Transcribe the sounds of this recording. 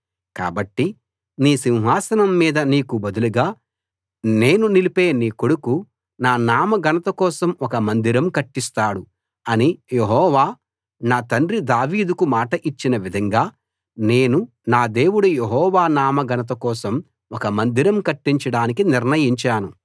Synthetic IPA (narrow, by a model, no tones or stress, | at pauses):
ka̰ːbɐʈːi | niːsiwɦaːsɐnɐmːiːd̪ɐniːkubɐd̪uluɡaː | ne̞ːnunilipe̞ːniːkoɽuku | naːnaːmɐɡɐnɐt̪ɐkɔːsɐmɔkɐmɐnd̪iɾɐmkɐʈːist̪aːɽu | ɐnijeɦɔːʋaː | naːt̪ɐnɾid̪aːʋiːd̪ukumaːʈɐʔit͡ʃːinɐʋid̪ʱɐŋɡaː | ne̞ːnu | naːd̪e̞ːwuɽujeɦɔːʋaːnaːmɐɡɐnɐt̪̬ɐkɔːsɐm | ɔkɐmɐnd̪iɾɐmkɐʈːiɲt͡ʃɐɽaːnikiniɾnɐjiɲt͡ʃaːnu